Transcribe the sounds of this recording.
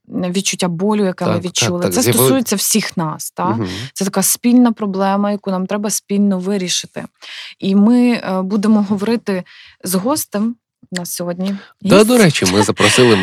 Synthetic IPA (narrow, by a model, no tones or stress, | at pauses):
ʋʲid̪̚t͡ʃʊtʲːabɔlʲʊjɐkɛmɪʋʲid̪̚t͡ʃulˠɪɛst̪ɔsujet͡sʲːɐwsʲixnɑst̪ɑt̪ɛt̪ɐkɑspʲilʲnɐpɾɔblˠɛmɐjɐkunɑmt̪ɾɛbɐspʲilʲnɔʋɪɾʲiʃɪt̪ɪ̰imɪbud̪emɔɦɔʋɔɾɪt̪ɪ | zɦɔst̪ɛm | nɐsʲɔɦɔdʲnʲid̪ad̪ɔɾɛt͡ʃimɪzɐpɾɔsɪlˠɪ